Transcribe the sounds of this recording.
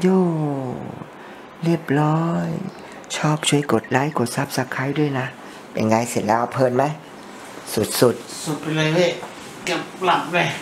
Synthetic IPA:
juː˧˩ | ɾi˥˩əp̚lɔː˦˥j | t͡ɕʰɔː˥˩p̚t͡ɕʰu˧˥˩əjko˨˩t̪̚laː˦˥˩jko˨˩t̪̚sa˦˥˩p̚sa˧˥kʰaː˧˥jdu˥˩əjna˦˥ | pe˨˩nŋaː˧jsi˨˩t̪̚lɛː˦˥ʔa˧˩pʰɤː˧˩˨nma˦˥j | su˨˩t̪̚su˨˩t̪̚su˨˩t̪̚pe˧laː˧jwɯ˧˥˩ | ka˧˩la˨˩p̚la˧˩

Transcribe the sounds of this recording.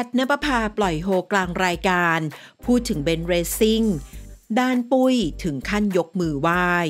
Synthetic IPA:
a˨˩t̪̚na˦˥pa˧pʰaː˧plɔ˨˩jɦoː˧klaː˧ŋɾaː˧jkaː˧npʰuː˥˩t̪ʰːɯ˩˦ŋbe˧nɾeː˧si˥˩ŋdaː˧npu˧˩jt̪ʰɯ˩˦ŋkʰa˥˩njo˦˥k̚mɯː˧waː˥˩j

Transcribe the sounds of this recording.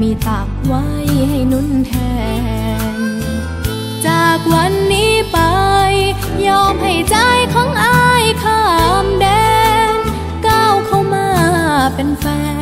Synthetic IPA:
miː˧t̪aː˨˩p̚wa˦˥jha˥˩jnu˧˥˨nt̪ʰɛː˧˩ | n | t͡ɕaː˨˩k̚wa˧˥nːiː˦˥pa˧j | jɔː˧˥˩mha˧˥˩jt͡ɕa˧˥˩jkʰɔː˨˦˥ŋʔa˧jkʰaː˧˥˩mdɛː˧n | kaː˧˩wkʰa˧˩wmaː˧˩pe˧nfɛː˧

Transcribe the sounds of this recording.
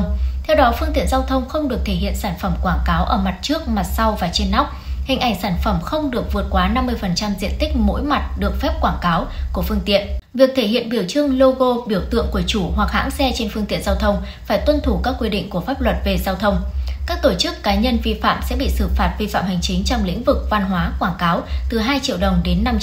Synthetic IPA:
ŋ͡mt̪ʰɛ˧wɗɔ˨˦fɨ˧əŋt̪ḭ˧˨ənzaː˧wt̪ʰə˧wŋ͡mxə˧wŋ͡mɗɨ˨˩ək̚t̪ʰe˧˩hḭ˧˨ənsaː˧˩nfə˧˩mkwaː˧˩ŋkaː˨˦wʔəː˧˩ma˨˩t̚t͡ɕɨ˦˥ək̚ma˨˩t̚sa˧wvaː˨˩t͡ɕe˧nːa˦˥wk͡p̚hï˨˩ŋ̟ʔa˨˧˩ŋ̟saː˧˩nfə˧˩mxə˧wŋ͡mɗɨ˨˩ək̚vɨ˨˩ət̚kwaː˨˦na˧mːɨ˧əjfə˨˩nt͡ɕa˧mzḭ˧˨ənt̪ï˦˥k̟̚mo̰˧˥jma˨˩t̚ɗɨ˨˩ək̚fɛ˦˥p̚kwaː˧˩nkaː˨˦wku˧˩əfɨ˧əŋt̪ḭ˧˨ənvi˨˩ək̚t̪ʰe˧˩ɦḭ˧˨ənɓi˧˩əwt͡ɕɨ˧əŋlo˧ɣo˧ɓi˧˩əwt̪ɨ̰˧˨əŋku˧˩ət͡ɕu˧˩ɦwa˨˩k̚ha̰ː˧˥ŋsɛ˧t͡ɕe˧nfɨ˧ŋt̪ḭ˧˨ənzaː˧wt̪ʰə˧wŋ͡m | faː˧˩jt̪wə˧nt̪ʰu˧˩kaː˦˥kːwi˧ɗḭ˧˨ŋ̟ku˧˩əfaː˦˥p̚lwə˨˩t̚ve˨˩zaː˧wt̪ʰə˧wŋ͡mkaː˦˥k̚t̪o˧˩t͡ɕɨ˦˥kːaː˨˦ɲə˧nvi˧fa̰ː˧˨msɛ̰˧˥ɓḭ˧˨sɨ˧˩faː˨˩t̚vi˧fa̰ː˧˨mha˨˩jŋ̟t͡ɕï˨˦ŋ̟t͡ɕɔ˧wŋ͡mlḭ̈˧˥ŋ̟vɨ˨˩k̚va˧nɦwaː˨˦kwaː˧˩ŋkaː˨˦wt̪ɨ˨˩ɦaː˧jt͡ɕḭ˧əwɗə˨˩wŋ͡mɗe˨˦nːa˧m

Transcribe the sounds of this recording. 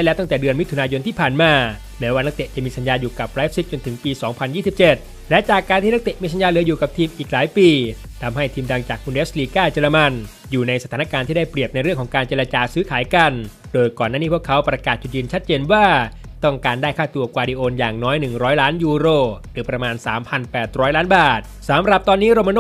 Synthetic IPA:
ɛ˦˥lɛː˦˥wt̪ɔ˥˩ŋt̪ɛː˨˩dɯ˧ənmi˦˥t̪ʰu˧naː˧jo˧nt̪ʰiː˥˩pʰaː˨˩nmaː˧ | mɛː˦˥waː˥˩na˦˥k̪̚e˨˩ʔt͡ɕa˨˩miː˧sa˧˦njaː˧njuː˨˩ka˨˩p̚ɾaː˦˥p̚si˦˥t̪̚t͡ɕo˧nt̪ʰɯ˩˦ŋpiː˧sɔː˩˦ŋpʰa˧njiː˥˩si˨˩p̚t͡ɕe˨˩t̪̚ | lɛ˦˥ʔt͡ɕaː˨˩kːaː˧nt̪ʰiː˥˩n˦˥k̚t̪e˨˩ʔmiː˧s̬a˧˦njaː˧lɯ˩˦əjuː˨˩ka˨˩p̚t̪ʰiː˧mʔiː˨˩k̚laː˨˩˦jpiː˧ | t̪ʰa˧mha˥˩jt̪ʰiː˧mda˧ŋt͡ɕaː˨˩k̚kʰu˧nʔe˦˥sliː˧kaː˥˩t͡ɕe˧ɾa˧ma˧n | juː˨˩na˧jsa˧t̪ʰaː˩˦na˧kaː˧nt̪ʰiː˥˩da˥˩jpɾi˨˩əp̚na˧jɾɯ˥˩əŋkʰɔː˩˦ŋkaː˧nt͡ɕe˧ɾa˧t͡ɕaː˧sɯː˦˥kʰaː˩˦jka˧n | doː˧jkɔː˨˩naː˥˩niː˥˩pu˥˩əkʰa˦˥wpɾa˧kaː˨˩t̪̚t͡ɕu˨˩t̪̚jɯː˧nt͡ɕʰa˦˥t̪̚t͡ɕeː˧nwaː˥˩ | t̪ɔ˥˩ŋkaː˧ndaː˥˩jkʰaː˥˩t̪u˧ɐkwaː˧diː˧ʔoː˧njaː˨˩ŋnɔː˦˥jnɯ˨˩ŋɾɔː˦˥jlaː˦˥njuː˧ɾoː˧˩ɾɯː˩˦pɾa˧maː˧nsaː˩˦mpʰa˧npɛː˨˩t̪̚ɾɔː˦˥jlaː˦˥nbaː˨˩t̪̚saː˨˦mɾa˨˩p̚t̪ɔː˧nːiː˦˥ɾoː˧ma˧noː˥˨

